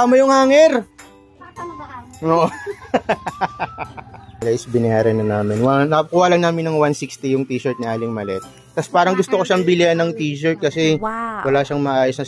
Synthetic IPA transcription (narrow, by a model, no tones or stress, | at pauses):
amojʊŋhaːŋɛɾ | oːʔo | ɐlaɪsbɪnɐjaːɾɛnɐnaːmɪnwanɐkʊwaːlɐnaːmɪnːɐŋwansikst̪ijʊŋt̪iːʃɐɹt̪̚nɐʔaːlɪŋmɐlɛ̰t̪̚ːɐspaːɾɐŋɡʊst̪okoʃambɪlɪanːɐŋt̪iːʃoɹt̪̚kɐsɛwɐlaːʃaŋmɐʔaːjosnɐ